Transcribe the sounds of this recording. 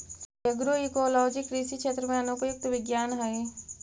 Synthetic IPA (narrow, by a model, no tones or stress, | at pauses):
jɐɡɾoikoːlɔːd͡ʒɪkɾisikʃeːt̪ɾəmẽɐnõkoɪk̚t̪ʋɪɡjaːnɦɐe